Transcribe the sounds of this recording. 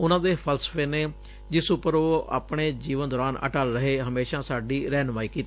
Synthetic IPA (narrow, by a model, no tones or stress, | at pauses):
ʊnãːd̪eːpʰəlsə̥pʰeːneː | d͡ʒɪsʊpəɾoːa̰ːpɽ̃eːd͡ʒiːʋənd̪ɔːɾaːnə̰ʈaːlɾəɦeːɦəmeːʃãːsaːɖiːɾɛːnʋaːiːkiːt̪iː